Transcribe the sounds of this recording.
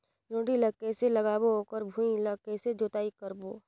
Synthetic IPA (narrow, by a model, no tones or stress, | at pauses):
ɾõːʈiləkeseləɡaːbookəɾbʱũĩləkesed͡ʒoːt̪aːikəɾboː